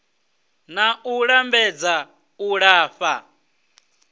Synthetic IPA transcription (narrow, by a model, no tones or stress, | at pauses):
nauɺambɛd͡za | uɺaːɸa